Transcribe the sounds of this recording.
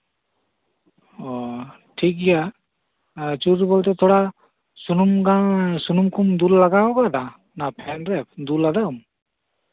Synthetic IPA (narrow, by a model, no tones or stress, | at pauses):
ɔ | ʈʰik̚ija | t͡ʃuɾbɔlt̪ɛt̪ʰɔɽa | sunumɡasunumkʰumd̪ulːaɡakɔɡɔd̪a | napʰɛnɾɛp̚d̪ulːad̪aum